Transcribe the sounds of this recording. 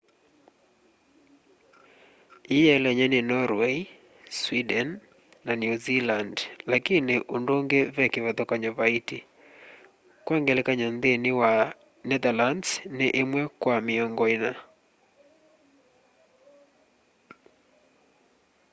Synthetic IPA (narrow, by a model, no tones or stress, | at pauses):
ijɛlɛɲɛnenɔɾwe | swidɛnː | anjuzilandlakinɪʔondoŋɡevɛkeβɛðɔkaɲɔβaiti | kwaŋɡɛlekaɲɔnðenɪwa | nɛðalandsneʔemwɛkwamɪɔŋɡɔina